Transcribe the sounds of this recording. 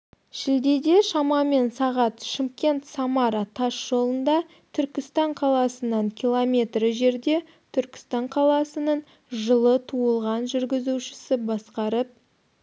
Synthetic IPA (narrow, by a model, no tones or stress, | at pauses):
ʒɪld̪e̞d̪e̞ʃɑmɑme̞nsɑʁɑt̪ʃɪmkʲe̞nt̪sɑmɑɾɑt̪ʰɑʃʒ̥o̞lˠənd̪ɑ | t̪ʰʏɾkʲɪst̪ɑɴqʰɑlˠɑsənɑɴkʲʰilˠomʲe̞t̪rɪʒe̞ɾd̪e̞ | t̪ʰʏɾkʲɪ̥st̪ɑɴqʰɑlˠɑsənəɴ | ʒəlˠət̪ʰuəlˠʁɑnʒʏɾɡʲɪzuwʃɪ̥sɪbɑsqɑɾəp̚